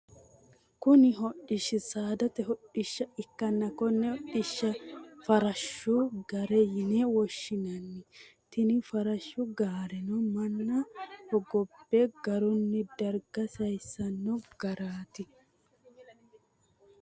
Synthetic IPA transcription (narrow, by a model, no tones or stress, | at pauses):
kʊnɪɦɔʔːɪʃːɪsaːd̪ɐt̪ɛɦɔʔɪʃːɐɪkːɐnːɐkɔnːɛhɔʔːɪʃːɐfɐɾɐʃːʊɡɐɾɛjɪnɛwɔʃːɪnɐnːɪt̪ɪnɪfɐɾɐʃːʊɡaːɾɛnɔmɐnːɐhɔɡɔb̥ːɛɡɐɾʊnːɛd̪ɐɾɡɐsɐjsːɐnːɔɡ̥ɐɾaːt̪ɪ